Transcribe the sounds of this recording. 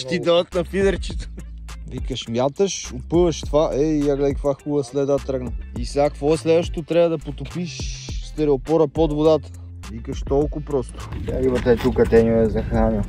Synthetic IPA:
ʃt̪id̪ɔd̪ət̪nɐfid̪əɾt͡ʃi̥t̪o̥ | vikəʃmjat̪əʃʊpəvɐʃt̪vaʔɛijaɡlɛd̪kkvaxulˠəslɛd̪at̪ɾəɡnəisɛakkvɔɛslɛd̪vəʃt̪e̥t̪ot̪ɾabɐd̪ɐpot̪ʊpiʃst̪ɛɾɛopɔɾəpɔd̪vʊd̪at̪ə̥ | vikəʃt̪ɔlˠkʊpɾɔst̪ʊ̥aimɐt̪ɛt̪ukət̪ɛnʲoɛzɐxnanɛ

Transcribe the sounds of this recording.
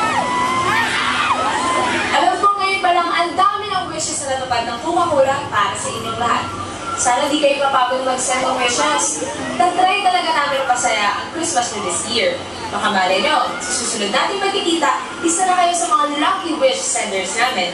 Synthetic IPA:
ʔɐlomkoŋːɐjonpɐlɐŋʔɐnd̪amɪnɐŋwɪʃɛsnɐnɐt̪ʊpad̪̚nɐŋpʊmɐkuːɾɐpaːɾɐsɐʔɪɲːoŋlɐɦa̰t̪̚ | saːnɐɪnd̪iːkɐjomɐpaːbʊt̪mɐɡsɛnt̪ɐŋwɪsmɐs | nɐɡ̚t̪ɾajt̪ɐlɐɡanaːmɪnɐpɐsɐjaʔɐŋkɾɪsmɐsfɛd̪ɪsjɪɹ | mɐkɐmaːlɐjɲosɐsuːsʊlʊd̪naːt̪ɪŋpɐɡ̚kɪkiːt̪ɐʔ | ʔɪsɐnɐkɐjo̞sɐmɐŋalɐkliwɪʃsɛnt̪ɛɹsnaːmɪn

